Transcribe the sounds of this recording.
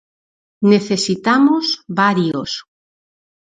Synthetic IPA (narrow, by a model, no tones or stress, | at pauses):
neθesit̪amozβaɾjos